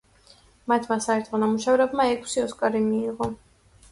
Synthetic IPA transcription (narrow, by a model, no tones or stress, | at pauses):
mat̪ʰmasaɛɾt̪ʰχɔnamuʃavɾɛbmaɛkʰsiɔskʼaɾimiːʁɔ